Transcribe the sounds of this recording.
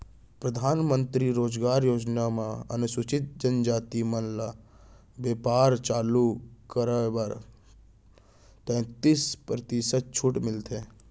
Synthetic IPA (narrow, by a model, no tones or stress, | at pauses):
pɾəd̪ʱaːnmə̃nt̪ɾiɾoːd͡ʒɡaːɾjoːd͡ʒnamãə̰nʊsʊt͡ʃɪt̪̚d͡ʒənd͡ʒaːt̪imənla | beːpaːɾt͡ʃaːlukəɾəbəɾ | t̪ɛ̃t̪ispɾət̪isət̪̚t͡ʃʰʊʈmɪlt̪ʰeː